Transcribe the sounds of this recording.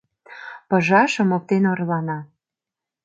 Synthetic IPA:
pə̆ʒɑʃə̆mok̚t̪enorlɑnɑ

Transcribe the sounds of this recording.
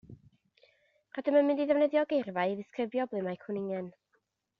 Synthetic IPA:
radəmənmɪ̃ndiðɛvnɛðjɔɡejrvaɨiðɪskrɪbjɔblˠɨmajkʰʊnɪŋɛn

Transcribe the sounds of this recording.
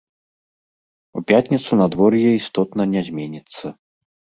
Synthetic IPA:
upʲat̪ʲnʲit̪sunad̪vɔrjɛist̪ɔt̪nɐnʲɛzʲmʲenʲit̪sːɐ

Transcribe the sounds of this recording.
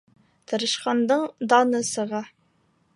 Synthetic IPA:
t̪ʰɤ̆ɾɤ̆ʃqɑnd̪ɤɴd̪ɑnɤsɤ̆ʁɑ

